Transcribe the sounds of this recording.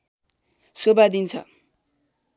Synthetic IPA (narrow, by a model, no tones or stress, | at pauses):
sobad̪int͡sʰʌ̰